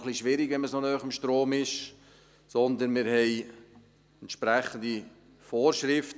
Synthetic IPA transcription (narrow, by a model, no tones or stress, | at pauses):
χliʃʋɪɾiɡʋɛnməsonœːχɪmʃtɾoːmɪʃ | sɔnd̪ənmɪɾhɛɪ | ɛnt̪ʃpɾæχːən̩d̪i | foːɾʃɾɪft